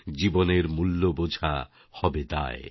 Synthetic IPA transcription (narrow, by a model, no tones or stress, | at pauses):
d͡ʑiboneɾmulːobod͡ʑʱa̰ | hɔbet̪a̰e